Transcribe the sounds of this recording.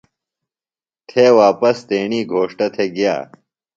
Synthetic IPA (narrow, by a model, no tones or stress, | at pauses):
t̪ʰeːwaːpɐst̪eːɳiːɡʱoːʂʈɐt̪ʰeɡja̰ː